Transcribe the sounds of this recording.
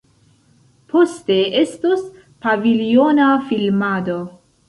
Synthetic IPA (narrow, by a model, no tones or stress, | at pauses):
pʰo̞ste̞e̞stos | pavilionafilmado